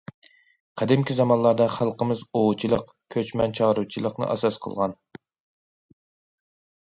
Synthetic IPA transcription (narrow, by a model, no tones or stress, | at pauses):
qʰɛd̪ɪmkʲizɑmɑnlˠɑɾd̪ɑχælˠqəmɨzoʁut͡ʃʰilˠəq | kʲʰøt͡ʃmɛnt͡ʃʰɑʁɾut͡ʃʰilˠəqnɨ̰ʔɑ̰sɑsqʰə̰lˠʁɑn